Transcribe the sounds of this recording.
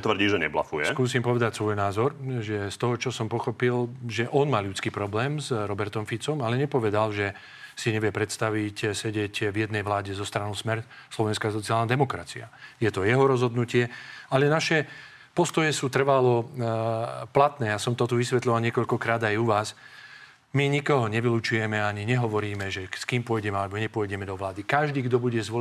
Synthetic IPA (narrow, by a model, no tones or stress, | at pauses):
t̪ʋrɾɟiːʒɛɲɛ̰bla̰fujɛ̰skuːsiːmpɔʋɛd̪acsʋɔjnaːzɔɾʒɛst̪ɔɦɔt͡ʃɔsɔmpɔxɔpilʒɛʔɔnmaːlut͡skiːpɾɔblɛːmzɾɔbɛɾt̪ɔmfit͡sɔmalɛɲɛpɔʋɛd̪alʒɛ | siɲɛʋɪjɛpɾɛt̪st̪aʋicsɛɟɛɟvjɛd̪nɛjʋlaːɟɛzɔst̪ɾanɔʊsmɛɾ | slɔʋɛnskasɔt͡siaːlnad̪ɛmɔkɾat͡sia̰jɛt̪ɔjɛɦɔɾɔzɦɔd̪nucɪɛalɛnaʃɛ | pɔst̪ɔjɛsuːt̪r̩ʋalɔ | plat̪nɛːjasɔmt̪ɔt̪uʋisʋɛt̪lɔʋalɲɪɛkɔʎkɔkɾaːd̪ajuʋaːs | miɲikɔɦɔɲɛʋiluːt͡ʃujɛmɛaɲiɲɛɦɔʋɔɾiːmɛʒɛskiːmpʊɔjɟɛmɛalɛbɔɲɛpɔjɟɛmɛd̪ɔʋlaːd̪ikaʒd̪iːɡd̪ɔbuɟɛzʋɔ